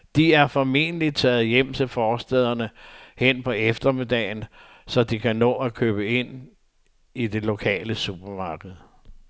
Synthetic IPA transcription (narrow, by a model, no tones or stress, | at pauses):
d̥iæɐfɒ̽me̝nəlid̥̚t͡sʰɛ̰ːð̞̩ˠjem̰t͡sʰe̝lfɒːsd̥ɛð̰ˠɐnəhen̰pʰɒ̽efd̥ɐme̝d̥ɛ̰ːɪn | sɒ̽d̥ikʰænɔ̰̽ːækʰøːb̥əe̝n̰ | ide̝lo̝kʰɛ̰ːləsub̥ɐmɑ̈ːɡ̥əð̞̩ˠ